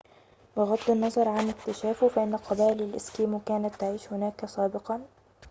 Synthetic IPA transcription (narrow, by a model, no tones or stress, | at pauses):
bɪɣɑd̪ˤːɪnːɑzˤɑɾˤʕanɪkt̪ɪʃaːfʊfaʔɪnːaqɪbaːlɪlʔɪskiːmkaːnat̪ːɪʕiːʃhʊnaːkasɑːbɪqɑn